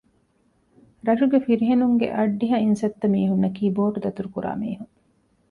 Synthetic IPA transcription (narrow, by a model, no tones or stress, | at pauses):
ɾɐʃuɡefiɾiɦenuŋɡḛʔɐɖːiɦɐinsɐt̪ːɐmiːɦunːɐkiːboːʈud̪ɐt̪uɾukuɾa̰ːmiːɦuŋ